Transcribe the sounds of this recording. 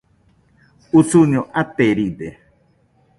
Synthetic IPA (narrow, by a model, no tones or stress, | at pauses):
ut͡suɲoʔat̪eɾid̪e